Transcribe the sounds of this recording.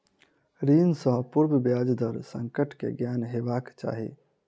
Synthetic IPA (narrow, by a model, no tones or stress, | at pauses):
ɾinsə̃ɦpuɾbəbjad͡ʒd̪ʱəɾsə̃ŋkəʈkḛɡjanɦebakt͡ʃa̰ɦḭ